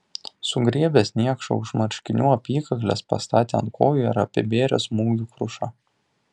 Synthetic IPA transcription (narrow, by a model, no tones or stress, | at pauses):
sʊɡɾʲiɛbʲeːsʲnʲiɛkʃo̰ʊʃmɐɾʲʃʲkʲɪnʲuːɐpʲiːkɐklʲḛːspɐ̰st̪ɑːt̪ʲeɐ̰nt̪̚kʰoːjuːɪɾɐpʲɪbʲeːɾʲosmuːɡʲuːkɾʊʃɑ